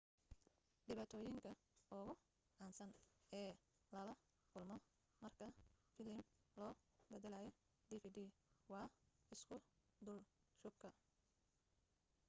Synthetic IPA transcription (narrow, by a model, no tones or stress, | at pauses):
ɖɪβaːt̪ʰɔːjɪŋkʰɐ | ɔɣʊ | ʔaːnsɐnɛː | lɐlɐ | kʊlmɔ | mɐrkʰɐfɪlɪmlɔːbɛðɐlajɔ | ɖ̪iːfiːdiːwɑːɪskʰʊ | d̪ʊl | ʃʊb̚kʰɐ